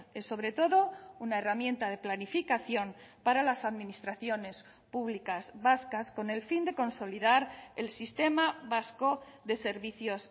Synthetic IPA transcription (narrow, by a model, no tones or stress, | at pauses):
esːo̞βɾe̞t̪o̞ðo̞unaeramjẽ̞nt̪aðe̞planifikaθjo̞mpaɾalasaðminist̪ɾaθjo̞ne̞s | puβlikazβaskasko̞ne̞lfind̪e̞ko̞nso̞liðaɾe̞lsist̪e̞maβasko̞ðe̞se̞ɾβiθjo̞s